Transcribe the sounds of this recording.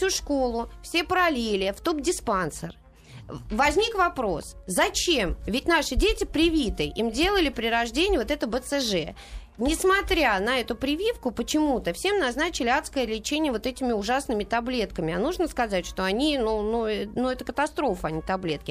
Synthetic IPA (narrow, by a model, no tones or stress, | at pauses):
fsʲuʂkolˠʊfsʲe̞pəɾɐlʲelʲɪft̪updʲɪspansər | vɐzʲnʲikvɐpɾo̞̰szɐt͡ɕemvʲɪtʲn̪aʂɨdʲetʲɪpɾʲɪvʲit̪ɨʔimdʲe̞lˠəlʲɪpɾʲɪɾɐʐdʲenʲɪjvot̪ɛt̪əbət̪sɨʐɛ̰ | nʲɪsmɐt̪ɾʲanɐɛt̪ʊpɾʲɪvʲifkʊpət͡ɕɪmut̪əfsʲe̞mnɐznat͡ɕɪlʲɪat̪skəjəlʲɪt͡ɕenʲɪjəvo̞t̪ɛtʲɪmʲɪʊʐasnɨmʲɪt̪ɐblʲet̪̚kəmʲɪɐnuʐnəskɐzatʲʂt̪o̞ɐnʲinunuɛnuɛt̪əkət̪ɐst̪ɾo̞fəɐnʲit̪ɐblʲe̞t̪̚kʲɪ